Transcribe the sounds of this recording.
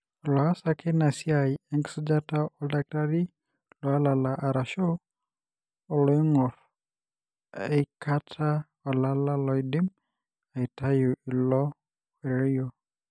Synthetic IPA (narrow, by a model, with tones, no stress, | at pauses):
lɔ˨a˦sa˦ke˦na˨si˦a˨jɛ˦ŋɡsɔ˦d͡ʒa˦ta˦ɔ˨da˦k̚ta˦ɾi˦ | lɔ˨a˦la˨la˨ʔa˨ɾa˨ʃo˦˨ | lo˨˦i˦ŋɔ˨ɾ | e˨ka˦tʰa˦ | ɔ˨la˦la˦lɔ˨i˨di˦m | a˨i˨ta˦jo˨ʔi˨lɔ˦ | e˨ɾɾjɔ˨